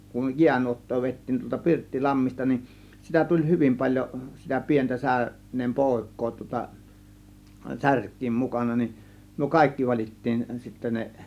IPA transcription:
kun jiænuotːoː ʋeˑitːiːn tuoltɑ pirtːilɑmːistɑ nin sitæ tulʲ hyʋim pɑlʲjo sitæ pi̞entæ sæ ønˑeːm poˑe̝kˑoː tŭŏtɑ særkˑiːm mukɑnɑ nin myø kɑˑe̝kːi ʋɑlʲitːiːn sitːæ ne

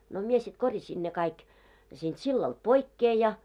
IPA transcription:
no mie sit korjɑsʲin ne kɑik siːnd̥ silːɑld̥ poikːeː jɑ

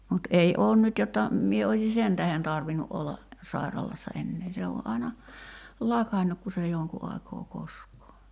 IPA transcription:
mut ei oːn nyt jotːɑ mie oisʲi sen tæhen tɑrʋinu ʔolːɑ sɑirɑlɑsːɑ enːeː se o ʔɑi̞nɑ lɑkɑnːuk ku se joŋku ɑikoː koskˑoː

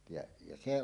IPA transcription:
jɑ jɑ se

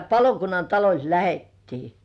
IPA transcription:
pɑlokunːɑn tɑlolʲt læhetːiː

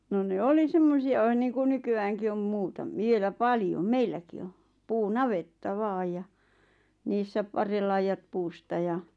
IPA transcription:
no ne oli semːosiɑ ʋ̆ɑ̆n̆ niːku nykyæːŋki om muːtɑm ʋielæ pɑljom meilːæki o puːnɑʋetːɑ ʋɑːj jɑ niːsːæ pɑrːelːɑijɑt̆ puːstɑ jɑ

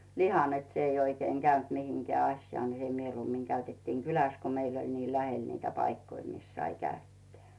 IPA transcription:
lihɑ net s ei oikeiŋ ɡ̊æynt mihiŋkĕæ ɑsʲjŏɑˑ ni se mieluːmːiŋ kæytetːiːŋ kylæs ko meil olʲ niː læhel niːtæ pɑikːoi mis sɑi kæytːeæˑ

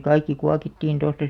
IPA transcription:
kɑikːi kuɑkitːiːn tostɑ

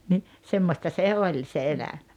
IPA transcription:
ni semːostɑ se olʲ se elæm̥æ̥

